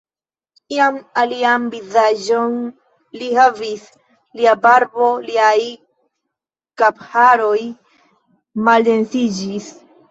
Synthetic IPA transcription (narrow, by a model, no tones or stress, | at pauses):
iamalianvizad͡ʒo̞n | lihavis | liabaɾbo̞liaj | kaphaɾo̞j | malde̞nsid͡ʒis